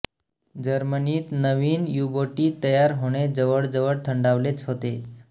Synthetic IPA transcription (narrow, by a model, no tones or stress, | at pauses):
d͡ʑəɾməniːt̪nəʋiːnjuboʈiːt̪əjaɾɦoɽ̃ed͡zəʋəɽd͡zəʋəɽt̪ʰəɳɖaʋlet͡sɦot̪e